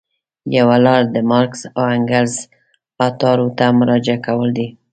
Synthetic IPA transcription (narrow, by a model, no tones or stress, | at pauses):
jawalɑɾd̪əmɑɾksawaŋɡalz | ɑt̪ɑɾot̪amʊɾɑd͡ʒakawəld̪i